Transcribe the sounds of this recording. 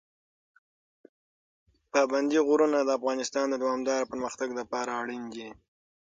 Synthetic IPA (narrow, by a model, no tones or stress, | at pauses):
pɑband̪iɣʊɾunad̪əafɣɑnɪst̪ɑnd̪əd̪awɑmd̪ɑɾapəɾməxt̪aɡlapɑɾaːɽiŋɡi